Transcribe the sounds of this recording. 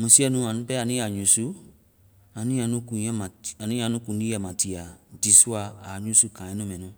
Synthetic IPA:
mũ˨si˦ɛ˦nũ˧˦a˨nũ˦pɛ˦a˨nĩ˦a˨ɲũ˨˦su˦ | a˨nĩ˦a˨nũ˦kũ˨˦jɛ˦mã˨a˨nĩ˦a˨nũ˦kũ˨n˦di˦jɛ˨mã˨ti˨a˨di˨su˦a˧˨a˨ɲũ˦su˦kãː˨ɛ̃˦nũ˦mɛ̃˨nũ˨

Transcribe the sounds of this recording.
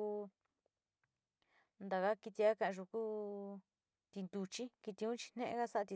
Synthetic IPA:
u˧ | nd̪a˨ka˦ki˧t̪i˧a˦kã˧ʔʒu˧kuː˦ | t̪i˧nd̪u˧t͡ʃi˦ki˧t̪i˧ũ˦t͡ʃi̥˧n̥nẽ˦ʔḛ̃˦ɣa˦sa˦˧t̪i˧

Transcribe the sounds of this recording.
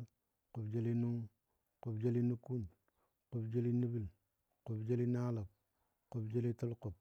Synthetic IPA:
ku˨bd͡ʒe˦li˦nu˦ŋ | ku˨bd͡ʒe˦li˦nu˦ku˦n | ku˨bd͡ʒe˦li˦ni˦bi˦l | ku˨bd͡ʒe˦li˦na˦la˨b̚ | ku˦bd͡ʒe˦li˦tu˦lku˨p̚

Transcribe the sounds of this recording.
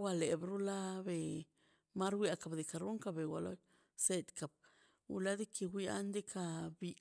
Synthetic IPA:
wa˧le˨bɾu˦la˦be˨ | ma˦ɾwʷja˧ka˨bd̪e˨ka˨ɾu˦ŋka˧be˨wa˨lo̰˦ | se˧t̪ka˨b̚ | ṵ˧la˦d̪i˦kʰi˧wʷi˦a̰˦nd̪e˦kʰa˧bi˧

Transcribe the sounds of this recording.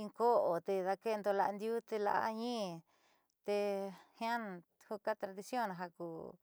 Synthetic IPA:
i˧ŋko˦ʔo˨t̪e˧ða˧ke˦˧nd̪o˧la˧nd̪ju˦t̪e˧la̰˧ʔa̰˦ɲĩː˦ | t̪e˧hjã˦n˧ | hu˧ka˦t̪ɾa˧ði˧sjõ˦˨ñ˨ɦa˧kuː˨

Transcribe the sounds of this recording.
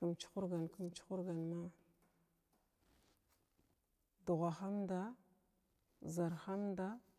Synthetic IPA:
kə˨mt͡ʃi̥˦xu˦ɾɡa˨nku˨mt͡ʃi̥˦xu˦ɾɡa˨nma˦ | du˨ɣʷa˨xa˦mda˦ | za˨ɾxa˦mda˦

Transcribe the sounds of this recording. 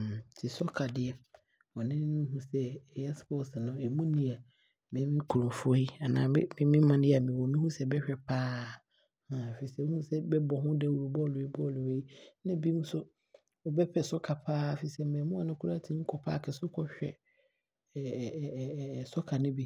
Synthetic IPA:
tʰɪ˨sɔ˦kʰa˨dɪ˨ɛ˨ | wɔ̃˨nɪ̃˦nʊ̃˦ɦũ˦sɛ˦ɛ˨jɛ˦spɔ˦sɪ˨nʊ̃˦ɛ˨mũ˦nĩ˦a˨ | mɪ̃˨˦mɪ̃˦kʰu˨ɾʊ̃˨fʊ˦ɔ˦ji˦a˨nã˨ɪ̰˦mɪ̃˨˦mɪ̃˦mã˨ñ˦ɛ˦a˨mɪ̃˨wɔ̃˨mĩ˦hũ˦sɛ˦bɛ˦ɕᶣɛ˨pʰaː˦ | ã˨fi˨i˨sɛ˦ʊ˦hũ˦sɛ˦bɛ˦bɔ˨ɦʊ̃˦dɛ˦˨wu˨ɾu˨bɔ˦lʊ˨i˦bɔ˦˨lʊ˨e˦i˦nã˦bi˦mũ˦sʊ˦ | ɔ˨bɛ˦pʰɛ˨sɔ˦kʰa˨pʰaː˦˨fi˨i˨sɛ˦mɛ̃˨˦mʊ̃˦a˨nʊ̃˦kʰu˦a˦˨tʰi˨nʊ̃˦kʰɔ˨pʰaː˦˨kʰɛ˨sʊ˦kʰɔ˨ɕᶣɛ̰˨ | sɔ˦kʰa˨nɪ̃˦bi˦

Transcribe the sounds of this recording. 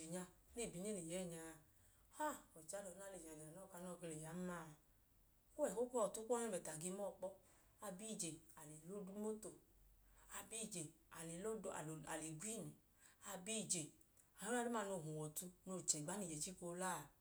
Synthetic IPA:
e˨ɲa˧ne˦˨bi˨n˦e˦˨ni˨jɛ˨˦˨ɲa˧ | ha˦ɔ˨t͡ʃa˧˦lɔ˨˦n˦a˦le˨a˨a˨nɔ˦˨ka˧˦nɔ˧˨ɡe˧le˨ja˨˦ma˦˨ | ko˦ɛ˨ko˦kɔ˦˨tu˦kːn˦˨ɛ˨ta˨ɡi˧mɔ˦˨k͡pɔ˦ | a˧bi˦˨d͡ʒe˨a˨le˨lo˦du˧˦mo˦to˨ | a˧bi˦˨d͡ʒe˨ | a˨le˨lo˦a̰˨a̰˨le˨ɡwi˦˨nɛ˨ | a˧bi˦˨d͡ʒe˨ | a˨o˦a˦do˦m˦a˦˧˨no˧˨ɦũ˨wɔ˨tu˧no˧˨t͡ʃɛ˨ɡ͡ba˨˦ni˨d͡ʒɛ˨t͡ʃi˦ko˧˦la˦˨

